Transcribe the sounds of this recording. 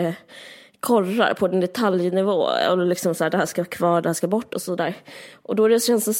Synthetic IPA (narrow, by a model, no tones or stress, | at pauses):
kʰɔrːa̰ɾpʰɔd̪ɛnd̪ɛt̪ʰaljnɪvo̰ːɛ̰llɪksɔmsaæːɖɛhæːʂkakʰvɑːɖɛhæːʂkabɔʈːɔsɔd̪æːɾʔɔd̪ɔæɖɛɕɛnsd̪ɛs